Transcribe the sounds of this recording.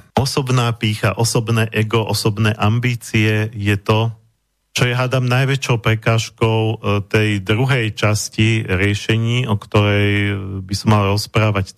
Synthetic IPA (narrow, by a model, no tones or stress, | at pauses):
ɔsɔbnaːpiːxa̰ʔɔsɔbnɛːʔɛɡɔʔɔsɔbnɛːʔambiːt͡siɛjɛt̪ɔ | t͡ʃɔjaɦad̪amnajʋɛt͡ʃɔʊpɾɛkaːʃkɔʊt̪ɛjd̪ɾuɦɛjt͡ʃasciɾɪɛʃɛɲiːʔɔkt̪ɔɾɛjbisɔmːalɾɔspɾaːʋac